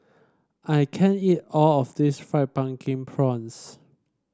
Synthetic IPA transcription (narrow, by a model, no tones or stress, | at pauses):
ʔaɪkʰɛ̃nitɔlɔfdisfɹaɪt̚b̥ãŋkʰĩŋpʰɹɔ̃ns